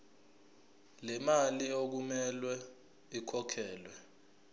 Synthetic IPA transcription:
lɛmaliok̬umɛlwɛ | ikʰɔkʰɛːlwɛ

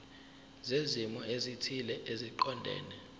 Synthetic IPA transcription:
zezimɔezitʰilɛʔeziǃɔndʱɛ̰ːnɛ

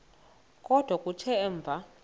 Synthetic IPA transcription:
kʼɔd̥ʱwakʼut͡ʃʰɛːɱb̪vʱa

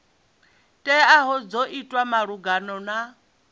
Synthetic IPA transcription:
tʼɛaɦɔd͡zoʔitʼwamaɺuɡanɔna

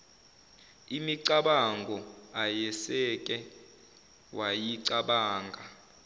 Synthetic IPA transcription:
imiǀaɓaŋɡʱɔajɛsɛk̬ʼɛ | wʔajiǀaɓaːŋɡʱa

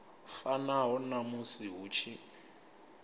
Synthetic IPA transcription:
fanaɦɔnamusiɦut͡ʃʰi

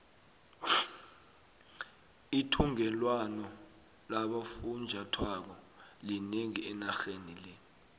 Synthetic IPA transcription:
itʰuŋɛlwanɔ | laɓafund͡ʒʱatʰwak̬ɔ | lineŋiɛnaxenilɛ

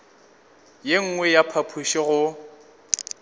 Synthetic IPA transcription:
jeŋ̩ŋwɛjapʰapʰuʃɪɣʊ

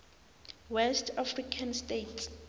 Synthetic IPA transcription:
wɛstʰafrikʰanstetʰ

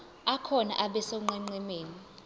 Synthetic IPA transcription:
akʰɔna̰ʔaɓɛsoŋ͡ǃɛŋ͡ǃɛmeːni

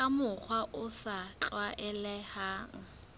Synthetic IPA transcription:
amʊk͡xʰwaʔʊsat͡ɬwaʔɛlɛhaːŋ̩

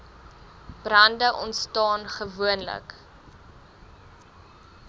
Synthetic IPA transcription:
b̥rɐndəʔɔntstɑːnχəvuənlə̰k

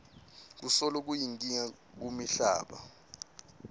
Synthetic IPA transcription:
k̬usɔlɔk̬ujiŋk̬ʼiŋa | k̬umiɬa̰ːɓa̰

